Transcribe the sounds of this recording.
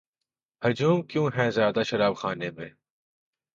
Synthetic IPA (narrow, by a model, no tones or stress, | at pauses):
hɐd͡ʒuːmkjũːɦɛ̃ːzjaːd̪aʃɐɾaːbxaːnemẽː